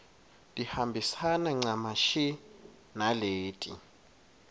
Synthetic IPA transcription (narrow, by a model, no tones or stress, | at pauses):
dʼihambʱisanɛŋ͡ǀamaʃi | naleːtʼḭ